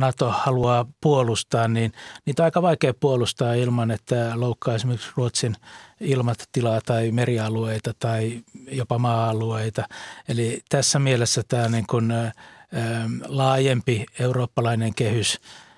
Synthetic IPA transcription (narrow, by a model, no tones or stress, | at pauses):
nɑt̪ohɑluɑːpuolust̪ɑːnniːnniːt̪ɑikɑʋɑikeːppuolust̪ɑːilmɑnet̪ːæloukʰːɑːesimeriksruot̪sinilmɑtt̪ːilɑːt̪ɑimeriɑlueit̪ɑt̪ɑijopɑmɑːɑlueit̪ɑelit̪æsːæmielesːæt̪æːniːŋkun | lɑːjempieuroːpːɑlɑineŋkehys